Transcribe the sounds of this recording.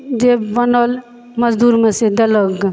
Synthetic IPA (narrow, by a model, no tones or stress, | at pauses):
d͡ʒebənəl | məzd̪uːɾmesed̪ələɡ